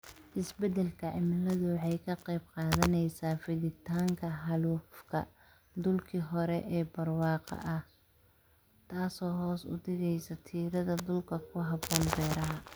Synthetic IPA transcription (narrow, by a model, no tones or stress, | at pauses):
ʔɪsbɛd̪ɛlkʰɐʕɪmɪlɐðʊwħɑjkʰɐqɑjbqɑːðɐnɛjsaːfɪðɪt̪ʰaːŋkʰɐɦɑluːfkʰɐ̰ | d̪ʊlkʰiːɦɔɾɛʔɛːbɐrwɑːqɑ̰ʔɐh | t̪ʰaːsɔːɦɔːsʊ̰d̪ɪɣɛjsɐt̪ʰiːɾɐðɐd̪ʊlkʰɐkʰʊɦɑbɔːnbɛːɾɐɦɐ